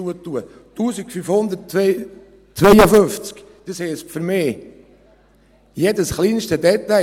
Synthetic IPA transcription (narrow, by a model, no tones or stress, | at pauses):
uət̪uə | tuːsikfyfhʊnd̪ət | t͡sʋɛjəfønft͡sk | d̥ishespfəɾmeː | jedəsχliːnʃtədɛt̪æ